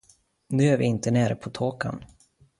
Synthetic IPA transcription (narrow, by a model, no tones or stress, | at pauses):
nʉːæɾvɪɪnt̪əneːɾəpʰɔt̪ʰoːka̰n